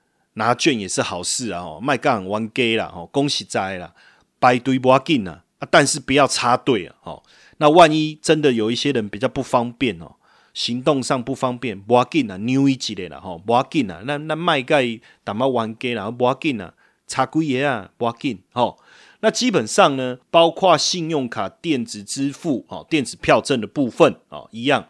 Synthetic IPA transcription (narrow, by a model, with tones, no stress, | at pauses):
nã˨˦t͡ɕɥɛ˥˨nje˨˩s̩˥˨ha˨˩ʊs̩˥˨a̰˨hɔ̰˨mã˥˧ɪka˦˩a˨˩wa˧˦nke˦la̰˨hɔ˥˨˩kɔ˦ŋɕi˨t͡sa˧˩e˨a̰˨ | pa˨˩ɪt̪wi˧˦bwa˦ki˨na̰˨ | a˦t̪a˥˧ns̩˥˨pu˨ja˥˧ʊt͡sʰa˦t̪we˥˨ɪa̰˨hɔ̰˨˩ | nã˥˧˨wa˥˧˨ni˦t͡sə˦nd̪ə˨jo˨˩i˦˩ɕje˦ɾə˨˦npi˨˩t͡ɕja˥˧ʊpu˥˩fa˦ŋpjɛ˥˨nhɔ̰˨ | ɕi˨˦ŋt̪̬ɔ˥˧ŋʂɑ˥˧˨ŋpu˥˩fa˦ŋpjɛ˥˨nbwa˧˦ki˥˨na˨˩nju˦i˦t͡ɕi˨ɾe˨˩la̰˨hɔ˨˩bwa˧˦ki˥˩na̰˨na˥˧na˥˧ma˥˧ɪka˥˩ɪ˨ | t̪a˨˩ma˥˧˩wa˨˧˦nke˥˦la˨˥˩bwa˦ki˥˨na̰˨ | t͡sʰa˨˧kwi˦ɛ˨˦a˨bwa˧˦ki˥˨nhɔ˨ | na˥˧t͡ɕi˦pə˨˩nsɑ˥˨ŋnə˨pa˦ʊkʰwa˥˨ɕi˥˧njɔ˥˨ŋkʰa˨˩t̪jɛ˥˨nt͡sɹ̩˨˩t͡s̩˦fu˥˨hɔ̰˨˩t̪jɛ˥˨nt͡sɹ̩˨˩pʰja˥˧ʊt͡sə˥˨nd̪ə˩pu˥˨˧fə˨nhɔ̰˨˩i˧˦ja˥˨ŋ